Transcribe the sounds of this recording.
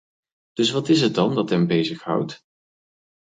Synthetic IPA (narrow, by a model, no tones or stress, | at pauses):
d̥ɵsʋɑtɪs̬ɦət̚dɑndɑtɦɛmbejzəχɦʌ̰wt